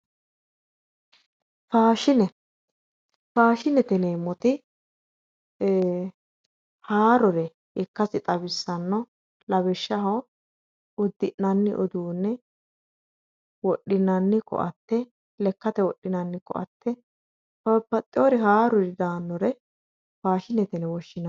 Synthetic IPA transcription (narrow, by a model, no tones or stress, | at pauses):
faːʃɪnɛ | faːʃɪnɛt̪ɛneːmːɔt̪ɪ | haːɾɔɾɛ | ɪkːɐsɪt̪ʼɐbɪsːɐnːɔ | lɐbɛʃːɐɦɔ | ʊd̪ːɪʔnɐnːɪ̰ʔɔd̪uːnːɛ | wɔɗːɪnɐnːɪkɔ̰ʔɐt̪ːɛ | lɛkːɐt̪ɛwɔɗːɪnɐnːɪkɔ̰ʔɐ̰t̪ːɛ | pɐpːɐt̪ʼːɪɔɾɛɦaːɾɔɾɪd̪aːnːɔɾɛ | faːʃɪnɛt̪ɛnɛwɔʃːɪnɐ